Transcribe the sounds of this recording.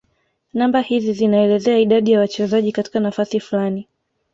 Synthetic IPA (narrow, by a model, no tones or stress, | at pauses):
nambahizizinaɛlɛzɛaiɗaɗijawat͡ʃɛzaʄikati̥kanafasifulani